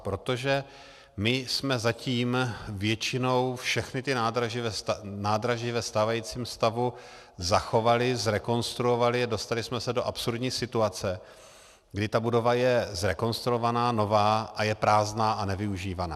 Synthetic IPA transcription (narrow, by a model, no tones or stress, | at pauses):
pɾo̞t̪o̞ʒɛ | mɪsmɛzaciːmvjɛt͡ʃɪno̞wfʃɛxnɪt̪ɪnaːd̪ɾaʒvɛnaːdɾaʒɪvɛst̪aːvajiːt͡siːmst̪avu | zaxo̞valɪzɾɛko̞nst̪ɾuo̞valɪado̞st̪alɪsmɛsɛdo̞ʔapsuɾdɲiːsɪt̪uat͡sɛ | ɡdɪt̪abudo̞vajɛzɾɛko̞nst̪ɾuovanaːno̞vaːʔajɛpɾaːznaːʔanɛvɪuʒiːvanaː